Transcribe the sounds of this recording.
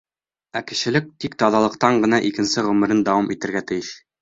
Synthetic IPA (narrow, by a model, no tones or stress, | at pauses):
ækɘ̆ɕɘ̆lɘk̚t̪ikt̪ɒðɑlˠɤ̆q̚t̪ɑɴɢɤ̆nɑʔikɘ̆nsɘʁɵ̆mɘ̆ɾɘnd̪ɑwɑmit̪ɘ̆ɾɡæt̪ɘ̆jɘɕ